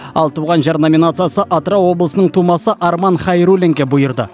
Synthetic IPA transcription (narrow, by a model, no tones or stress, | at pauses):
ɑlˠt̪ʰuʁɑnʒɑɾnomʲinat̪sɨjasəʔat̪rawo̞blˠəsənəɴt̪ʰumɑsəʔɑɾmɑnχɑjɾulʲeŋkʲebʊjəɾd̪ə̰